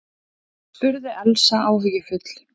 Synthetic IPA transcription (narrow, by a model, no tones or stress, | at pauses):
spʏɾðɪʔɛlsaʔaːwvijɪfʏt̪l̥